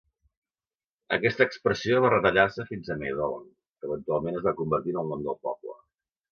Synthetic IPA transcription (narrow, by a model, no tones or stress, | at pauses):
ə̰kɛst̪əːkspɾəsioβarət̪əʎarsəfinzəmḛjðɔlɔ̰n | kəβənt̪ualˠmenəzβakumbəɾt̪inəlˠnɔmd̪əlˠpɔplə̰